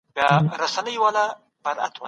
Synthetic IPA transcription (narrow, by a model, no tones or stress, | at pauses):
bjaɾasanəjwala | b̥aɾa̰t̪wa̰